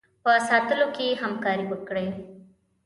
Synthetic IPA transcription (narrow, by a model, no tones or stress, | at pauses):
pəɐsaːt̪əlokiɦəmkaːɾibəkɽeː